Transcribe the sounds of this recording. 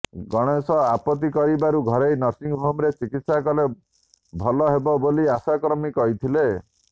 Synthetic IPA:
ɡɔɽ̃esɔapɔt̪̬ikɔɾibaɾuɡʱɔɾejnɔɾsiŋɦomɾet͡ʃikit̪sakɔle | bʱɔlɔɦebɔboliasakɾɔmikɔɦit̪ʰile

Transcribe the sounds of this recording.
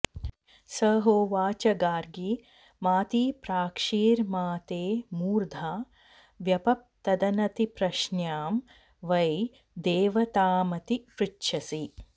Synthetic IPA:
sɐːɦoːʋaːt͡ʃɐɡaːɾɡi | maːt̪iːpɾaːkʂiːɾmaːt̪eːmuːɾd̪ʱaː | ʋjɐpɐp̚t̪ɐd̪ɐnɐt̪ipɾɐʃnjaːm | ʋɐj | d̪eːʋɐt̪aːmɐt̪ipɾitʃɐsi

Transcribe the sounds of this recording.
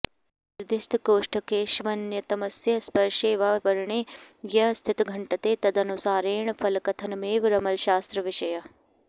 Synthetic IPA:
ɪɾd̪ɪst̪ʰkoːʂʈɐkeːʃʋɐnjɐt̪ɐmɐsjɐspɐɾʃeːʋaːʋɐɾɳ̃ejɐst̪ʰɪt̪ɡʱɐɳʈɐt̪eːt̪ɐd̪ɐnusaːɾeːɳ̃fʰɐlkɐt̪ʰɐnmeːʋɾɐmɐlʃaːst̪ɾɐʋɪʃɐjɐ

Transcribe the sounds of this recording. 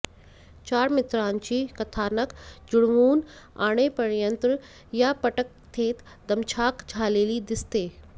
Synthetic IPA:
t͡ʃaːɾmɪt̪ɾaːnt͡ɕiːkɐt̪ʰaːnəkd͡ʒʊɽʋuːn | a̰ːɽ̃epɐɽjə̃nt̪ɾ | japɐʈək̚ | t̪ʰeːt̪ | d̪ɐmt͡ʃʰaːkd͡ʒʱaːleːlid̪ɪst̪eː

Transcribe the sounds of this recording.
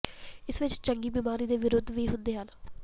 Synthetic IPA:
ɪsʋɪt͡ʃt͡ʃəŋɡiːbiːmaːɾiːd̪eːʋɪɾʊd̪ʱːʋiːɦʊ̃nd̪eːɦən

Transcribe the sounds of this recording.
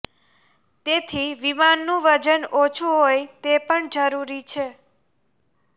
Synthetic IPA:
t̪et̪ʰiʋimanːũʋəd͡ʒənot͡ʃʰuɦojt̪epəɳd͡ʒəɾuɾit͡ʃʰe

